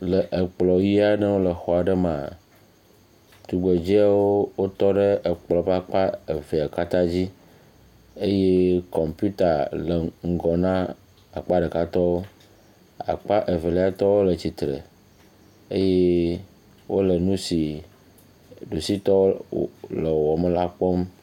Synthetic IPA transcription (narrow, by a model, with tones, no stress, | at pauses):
lə˨ʔə˨k͡plɔ˨ji˦a˦nə˦wo˦lə˨xɔ˨a˨ɖə˦mã˨ | t̪u˨ɡ͡be˨d͡ʑi˦a˦wo˦wo˦t̪ɔ˦ɖe˦ə˨k͡plɔ˨pa˦k͡pa˦e˨ve˨a˨ka˦t̪ã˦d͡ʑi˦ | e˦je˦kɔ˨mpju˦t̪a˨lə˨ŋ̩˨ɡɔ˨nã˦ | a˨k͡pa˦ɖɛ˨ka˦t̪ɔ˦wo˦ | a̰˨k͡pa˦ʔe˨ve˨lɛ˦a˦t̪ɔ˦wo˦lə˨t͡ɕi˨t̪ɾḛ˨ | e˦je˦ | wo˦lə˨nũ˦si˨ | ɖu˨si˦t̪ɔ˦lə˨wɔ˨me˦la˦k͡pɔ˦m